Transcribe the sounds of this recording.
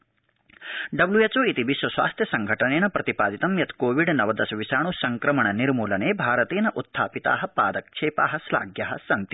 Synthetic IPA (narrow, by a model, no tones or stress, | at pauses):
ɖɐblujet͡ʃoːit̪iʋiʃʋɐsʋa̰ːst̪ʰjɐsɐŋɡʱɐʈɐneːnɐpɾɐt̪ipaːd̪it̪ɐmjɐt̪koːʋiɖnɐʋɐd̪ɐsɐʋisaːɳusɐŋkɾɐmɐɳɐniɾmuːlɐneːbʱaːɾɐt̪eːnɐʔut̪ʰːaːpit̪a̰ːɦɐpaːd̪ɐk̚t͡ʃʰeːpaːɦɐsla̰ːɡʱjɐɦɐ̰sɐnt̪i̥